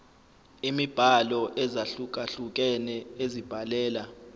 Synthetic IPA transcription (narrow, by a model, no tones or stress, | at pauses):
imib̥ʱalɔʔɛzaɬuk̬ʼaɬuk̬ʼɛnɛezib̥ʱalɛːla